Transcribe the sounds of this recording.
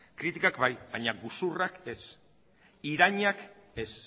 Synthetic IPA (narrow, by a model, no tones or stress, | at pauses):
kɾit̪ikakbajbajɲaɡusurake̞s | iɾaɲake̞s